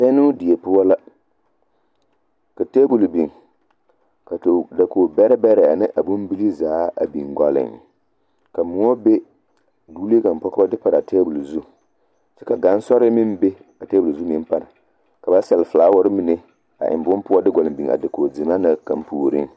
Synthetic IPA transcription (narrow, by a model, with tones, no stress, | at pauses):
sɛ˦nu˦dɪ˨e˨pʊ˦a˦la˦ | ka˨te˦bu˨lbi˨ŋ | ka˨da˨ko˨bɛ˦ɾɪ˦bɛ˦ɾɛ˨a˨nɨ˦ʔa˨bʊ˦m˦bi˦li˦zaː˨˦a˨bi˨ŋɡʷa˨lɪ̰˨ŋ | ka˨mu˨ŋo˦be˦ | duː˦li˦ɡa˨m˨pɔ˦ka˦dɨ˦pa˨ɾa˨teː˦bu˨lzu˦ | t͡ʃɛ˦ka˨ɡa˦n˦sɔ˦ɾɪ˦mi˦m˦be˦ | ka˨teː˦bu˨lzu˦mi˦m˦pa˦˨ɾa̰˨ | ka˨ba˦sɛ˨lfɨ˨laː˦wɔ˦ɾɪ˦mi˦nɛ˦ | a̰˨ʔɪ̰˨m˨bʊ˦m˦pʊ˦a˦dɪ˦ɡa˨lɪ˨bi˨ŋa̰˨dɨ˨ko˨di˨ma˦na˨ka˨m˦puː˨ɾɨ̰˦ŋ